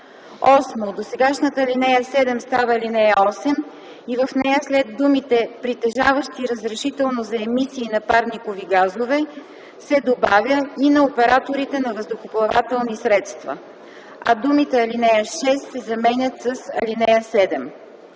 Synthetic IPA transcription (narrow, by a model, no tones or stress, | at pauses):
ɔsmod̪osɛɡaʃnət̪əːlinɛjəsɛd̪ɛmst̪avɐːlinɛjəɔsɛm | ivəfnɛjəslɛd̪ːumit̪ɛpɾit̪ɛʒavəʃt̪iɾəzɾɛʃit̪ɛlˠnozɐɛmisiːnɐpaɾnikoviɡazovɛ | sɛd̪obavʲjəinɐopɛɾat̪oɾit̪ɛnɐvəsd̪oxoplˠɐva̰t̪ɛlˠnisɾɛt̪st̪vɐ̰ | ɐ̰d̪umit̪ɛɐlinɛjəʃɛst̪sɛzɐmɛnʲət̪səsɐ̰linɛjəsɛd̪ɛm